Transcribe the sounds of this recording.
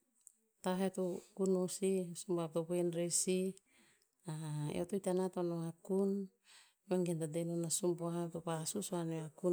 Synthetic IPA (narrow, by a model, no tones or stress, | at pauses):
t̪aɦet̪ukunusisumbat̪openɾesi | a̰o̰t̪oit̪anat̪onoakun | meŋɡend̪adenonasumboat̪opasusoaneaku